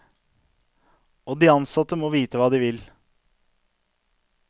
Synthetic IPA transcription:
oːd̪iːɑnsɑt̪ːəmoːʋiːt̪əʋɑːd̪iːʋɪl

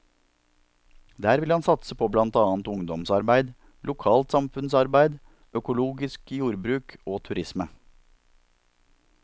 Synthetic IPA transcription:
d̪æːɾʋɪlhɑnsɑt̪səpʰoːblɑnt̪ɑːnt̪ʊŋd̪ɔmsɑɾbæɪd̪ | lʊkʰɑːlt̪sɑmfʉnsɑɾbæɪd̪ | ʔœkʊluːɡɪskjuːɾbɾʉːkoːt̪ʰʉɾɪsmə

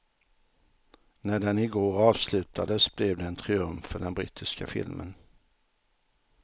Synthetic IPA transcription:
næɖɛnɪɡoːɾɑːvslʉ̟ːt̪ʰad̪əsb̥lɛvd̪ɛːnt̪ʰɾɪɵmfœɖɛnbɾɪ̰ːt̪ʰɪska̰fɪ̰lmə̰n

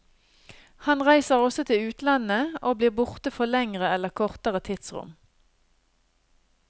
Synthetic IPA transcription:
hɑnʁæɪsəʁɔsɔt̪ʰɪʉːt̪lɑnəoːbliːʁbʊʁt̪əfɔlɛŋʁəɛləʁkʰɔʁt̪əʁət̪ʰɪd̪sʁʊ̰m

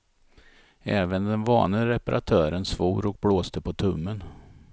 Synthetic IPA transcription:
ɛːvənd̪ɛnvɑ̰ːnəɾɛpaɾʔa̰t̪ʰœːɾənsvuːɾɔk̚bloːst̪əpʰɔt̪ʰɵmːən

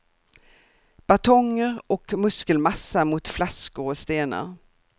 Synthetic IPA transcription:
b̥at̪ʰɔŋːəɾɔkmɵskəlmasːamʊt̪flaskʊɾɔst̪eːnə̰ɾ

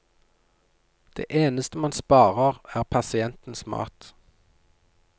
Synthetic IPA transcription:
d̪̥ḛːʔeːnəst̪əmɑnspɑːʁəʁæːʁpʰɑsɪɛnt̪n̩smɑ̰ːt̪

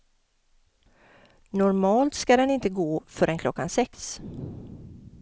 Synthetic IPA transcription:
nɔɾmɑːlt̪skad̪ɛnɪnt̪əɡoːfœɾɛnkʰlɔkːansɛks

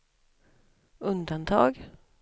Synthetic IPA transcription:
ɵnd̪ant̪ʰɑ̰ːɡ

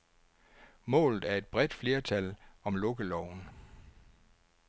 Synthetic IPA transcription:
mɔ̰̽ːlð̩ˠæɐe̝d̥̚b̥ʁɛd̥fle̝ːɐt͡sʰælɒ̽mlɔɡ̥əlɒʊ̰n̩

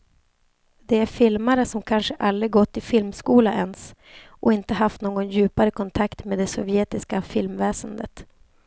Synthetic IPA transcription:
d̪ɛæɾfɪlmaɾəsɔmkʰanʂəʔalɾɪɡɔt̪ːɪfɪlmskuːlaʔɛns | ʔɔɪnt̪əɦaft̪noːɡɔnjʉ̟ːpaɾəkʰɔnt̪ʰakt̪meːd̪ɛsɔvjɛːt̪ɪskafɪlmvɛːsənd̪ə̰t̪

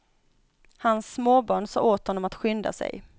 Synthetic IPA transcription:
hansːmoːbɑːɳsɑ̰ːoːt̪hɔnːɔmat̪ɧʏnd̪a̰sɛ̰j

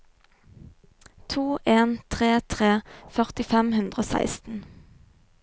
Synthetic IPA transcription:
t̪ʰuːʔeːnt̪ʰʁeːt̪ʰʁeːfœʁt̪ɪfɛmhʉnd̪ʁəoːsæ̰ɪst̪n̩

